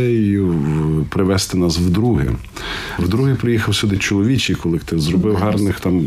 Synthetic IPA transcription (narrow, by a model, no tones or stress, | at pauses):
ɛjʊpɾɪʋɛst̪ɪnɑswd̪ɾuɦɪ̰ | wd̪ɾuɦɪpɾɪjixɐwsʲud̪ɪt͡ʃɔlˠɔʋʲit͡ʃijkɔlˠɪkt̪ɪzɾɔbɪwɦɑrnɪxt̪ɑm